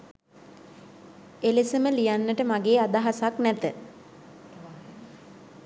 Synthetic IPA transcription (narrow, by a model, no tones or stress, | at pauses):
elesəməlijanːəʈəmaɡeːad̪aɦasaknæt̪ə